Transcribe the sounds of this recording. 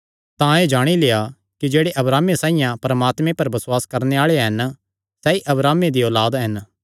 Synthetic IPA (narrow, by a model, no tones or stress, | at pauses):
t̪ãeːd͡ʒaːɽ̃ileja | kid͡ʒeːɽeʔɐbɾaːmesãːɪ̃jãpɾɐmaːt̪mẽpɐɾbɐsʊwaːskɐɾneaːɭeɦɐn | sɛːiʔɐbɾaːmed̪ioːlaːd̪ɦɐn